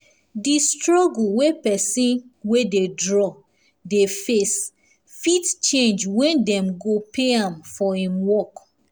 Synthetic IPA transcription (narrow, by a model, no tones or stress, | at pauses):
distɹɔɡul̩wepɛsĩnwededɹɔ | defes | fitt͡ʃẽnd͡ʒwɛ̃ndɛ̃mɡopʰeãmfɔhĩmwɔk